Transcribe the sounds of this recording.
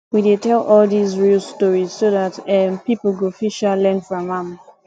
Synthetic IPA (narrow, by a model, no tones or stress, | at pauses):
widetɛlʔɔlˠdizɹilˠstɔɹiz̥soðatɛpipl̩ˠɡufiʃallɛ̃nfɔɹamãm